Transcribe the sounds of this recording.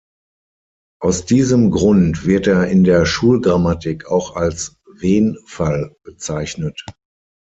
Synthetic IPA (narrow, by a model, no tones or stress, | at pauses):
ʔaʊsd̥iːzəmɡʁʊntv̥ɪɐteːɐɪndeːɐʃuːlɡʁamatɪkʰaʊxals | veːnfalb̥ət͡saɪçnət